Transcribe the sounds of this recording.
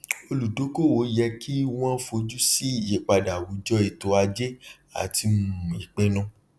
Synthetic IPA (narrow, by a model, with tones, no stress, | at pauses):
o˧lu˨do˨˦ko˦˨wo˨˦jɛ˧kʰi˦w̃ɔ̃˦fo˧d͡ʒu˦si˦˨je˨k͡pa˧da˨wu˨˦d͡ʒɔ˦i˨to˨˧˦a˧d͡ʒe˦ | a̰˨ti˧mũ˨i˨k͡pɛ̃˧nɔ̃˧